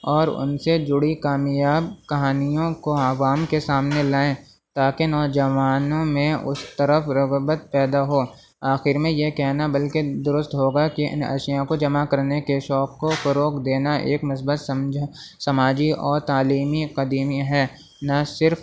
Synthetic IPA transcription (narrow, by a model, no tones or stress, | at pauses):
ɔːɾʊ̰nsed͡ʒʊɽikaːmjaːb̚kɐɦaːnijõkoɐʋaːmkesaːmnelaːẽ | t̪aːkenɔːd͡ʒɐʋaːnõmẽʊ̰st̪əɾəfɾɐɣbət̪̚pɛːd̪aɦoː | aːxɪɾmẽjekɛɦnabɐlked̪ʊɾʊst̪ɦoːɡakiʔɪ̰̃nɐ̰ʃjõkod͡ʒɐmakɐɾnekeʃɔːkːofɐɾoːkd̪eːnaʔḛːkmʊs̬bət̪sɐmd͡ʒ | sɐmaːd͡ʒiɔːɾt̪aːliːmiqɐd̪iːmiɦɛː | nɐsɪɾf